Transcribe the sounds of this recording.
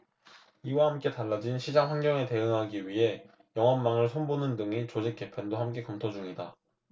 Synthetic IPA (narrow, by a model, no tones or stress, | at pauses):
iwahamk͈e̞taɭːad͡ʑinɕʰid͡ʑaŋɸanɡjʌŋe̞te̞ɯŋɦaɡiɥiɦe̞ | jʌŋɦʌnːaŋɯɭsʰonbonɯndɯŋet͡ɕod͡ʑek͈e̞pʰendohamk͈e̞kʌmtʰod͡ʑuŋida